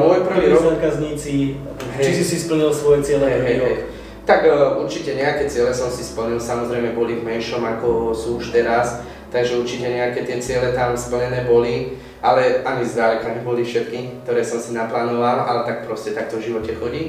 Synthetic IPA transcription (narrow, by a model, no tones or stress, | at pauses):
mʊɔjpr̩ʋiːɾɔzaːkazɲiːt͡si | ɦɛt͡ʃisisispl̩ɲilsʋɔjɛt͡sɪɛlɛɦɛɦɛj | t̪aɡʔuɾt͡ʃicɛɲɛakɛːt͡sɪɛlɛsɔmsispl̩ɲilsamɔzɾɛjmɛbɔlivmɛnʃɔmakɔsuːuʃt̪ɛɾas | t̪aɡʒɛuɾt͡ʃicɛɲɛakɛːt̪ɪɛt͡sɪɛlɛt̪amspl̩ɲɛnɛːbɔli | ʔalɛaɲizd̪aːɾukaɲɛbɔlifʃɛt̪̚kikk̚t̪ɔɾɛːsɔmsinaplaːnɔʋala̰lɛt̪ak̚pɾɔscɛt̪ak̚t̪ɔvʒiʋɔcɛxɔɟiː